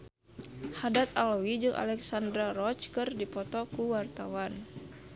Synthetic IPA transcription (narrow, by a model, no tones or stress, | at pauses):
hadat̪alwid͡ʒɨŋʔa̰lɛksandɾaɾɔt͡ʃkɨrdipɔt̪ɔkuwart̪awan